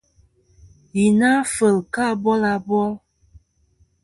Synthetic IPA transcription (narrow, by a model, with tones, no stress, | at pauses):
i˨na˦fə˨lka˦bɔ˦la˨bɔ˦l